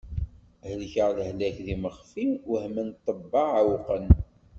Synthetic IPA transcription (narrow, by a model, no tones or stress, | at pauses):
həlçəʁðəhlæçðiməχfiwhmənt̪ˤːəbːɑʕawqən